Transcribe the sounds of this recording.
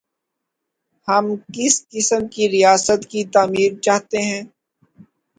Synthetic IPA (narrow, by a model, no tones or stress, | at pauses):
hɐmkɪskɪsəmkiɾijaːsət̪kit̪aːmiːɾt͡ʃaːɦt̪eɦɛ̃ː